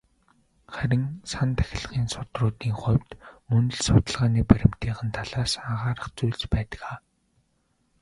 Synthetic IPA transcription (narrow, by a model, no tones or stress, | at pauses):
χæɾʲɪ̆ŋsant̪ʰæ̥xʲɪ̆ɮʁiːnsʊt̪rʊːt̪iːŋχʊjwʲt̪mɵnɵ̆ɮsʊt̪ə̆ɮʁaːniːpæɾʲɪ̆m̥t̪iːʁə̆nt̪ʰaɮaːsaʁaːɾə̆χt͡sujɮt͡ɕpæːt̪ə̥̆kaː